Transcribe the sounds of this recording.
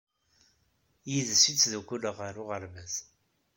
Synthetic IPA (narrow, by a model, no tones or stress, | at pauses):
jiðəsit͡sːðukʷuləʁəɾʊʁəɾmæz